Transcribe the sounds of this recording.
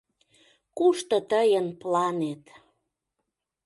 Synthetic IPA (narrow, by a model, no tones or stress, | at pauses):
kuʃt̪ɤ̆t̪əjənplɑnet̪